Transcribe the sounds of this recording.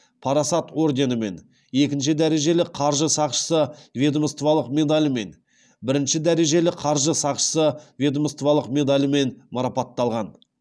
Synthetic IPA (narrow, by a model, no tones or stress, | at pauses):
pʰɑɾɑsɑt̪o̞rd̪ʲe̞nəme̞n | e̞kʲɪnʃ̬ɪd̪æɾe̞ʒe̞lɪqʰɑɾʒəsɑqʃə̥səvʲed̪oməst̪vɑlˠəqme̞d̪alʲme̞n | bɪɾɪnʃɪd̪æɾe̞ʒe̞lɪqʰɑɾʒəsɑqʃə̥səvʲed̪oməst̪vɑlˠəqmʲe̞d̪alʲɪme̞nmɑɾɑpɑt̪ːɑlˠʁɑn